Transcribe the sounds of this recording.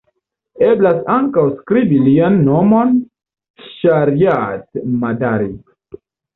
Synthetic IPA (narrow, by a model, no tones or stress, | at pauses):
eblasaŋkawskɾibilianːo̞mon | ʃaɾijatmadaɾi